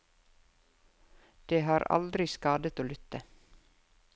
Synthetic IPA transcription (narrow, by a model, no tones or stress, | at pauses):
d̪̥eːɦɑːɾɑ̰ld̪ɾɪskɑːd̪ət̪oːlʏt̪ːə